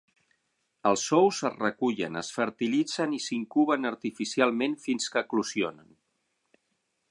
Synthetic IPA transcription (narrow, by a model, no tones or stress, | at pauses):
əlˠsːɔwzərəkuʎə̰nə̰sfəɾt̪ilid͡zənisiŋkuβənəɾt̪ifisialˠmenfinskəːklusionən